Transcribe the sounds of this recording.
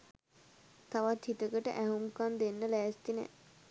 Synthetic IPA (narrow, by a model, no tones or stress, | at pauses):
t̪aʋat̪hit̪əkəʈə̰ʔæɦumkand̪enːəlæːst̪inɛ̰